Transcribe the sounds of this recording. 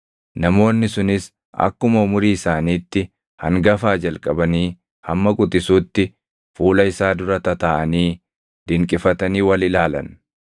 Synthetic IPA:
nɐmo̞ːnːɪsʊnɪs | ɐ̰kːʊmɐʊmʊɾiːɪsaːniːt̪ːɪ | hɐ̰ŋɡɐfaːd͡ʒɐlkʼɐbɐniː | hɐmːɐkʼʊt̪ʼɪsuːt̪ːɪ | fuːlɐɪsaːd̪ʊɾɐt̪ɐt̪ɐʔɐniː | d̪̥ɪŋkʼɪfɐt̪ɐniːwɐlɪlaːlɐ̰n

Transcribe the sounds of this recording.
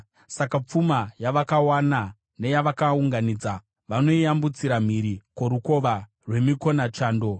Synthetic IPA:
sakap͡fumajaʋakawana | ne̞jaʋakauŋɡaniːd͡za | ʋano̞iambut͡siɾam̤iɾikoɾuko̞ʋa | rwe̞miko̞nat͡ʃaːndo̞

